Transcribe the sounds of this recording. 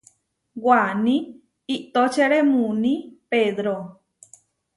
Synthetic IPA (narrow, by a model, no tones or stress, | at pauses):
wanĩ | iʔt̪ot͡ʃeɾemũnĩpeðɾo